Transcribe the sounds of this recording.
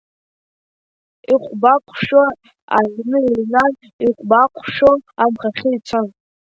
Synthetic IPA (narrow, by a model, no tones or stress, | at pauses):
iqʷbakʷʰʼʃa | aʕʷnɨinan | iqʷʼbakʷʰʼʃaamχaχʲɪit͡sʷʰɨn